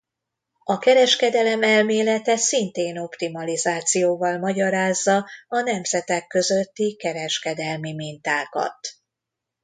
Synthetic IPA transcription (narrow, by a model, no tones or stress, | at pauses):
ɒkɛɾɛʃkɛd̪ɛlɛmɛlmeːlɛt̪ɛsint̪eːno̞pt̪imɒlizaːt̪sijoːvɒlmɒɟɒɾaːzːɒɒnɛmzɛt̪ɛkːø̞zøt̪ːikɛɾɛʃkɛd̪ɛlmimint̪aːkɒ̰t̪